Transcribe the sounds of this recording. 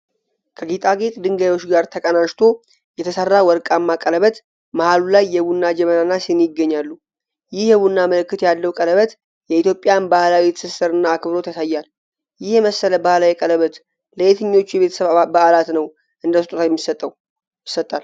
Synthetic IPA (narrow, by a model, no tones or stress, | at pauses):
kʰəɡit̪ʼaɡet̪ʼd̪ɨŋɡajwo̞t͡ʃːɡaɾt̪ʰəkʼənaʃt̪ʰo̞ | jɛt̪ʰəsərːawɔɾkʼamːakʼələβət̪ | məhalulajːɛβunːad͡ʒɛmənanːasɨnjɪɡəɲːalːu | jɪhjɛβunːaməlɨkːɨt̪ʰjalːəwkʼələβət̪ | jɛit̪jo̞pʼːɪjanbahlawit̪sɨsɨɾɨnːaːkʰɨβɾo̞t̪jasajːal | jɪhjɛməsːələbahlajɛkʼələβət̪ | ləʔet̪ʰɨɲːo̞t͡ʃːujɛβe̞t̪ʰəsəβbaʔalat̪nəw | ʔɨnd̪əst̪ʼut̪ʰajɛmːisət̪ʼːəw | ɪsːət̪ʼːal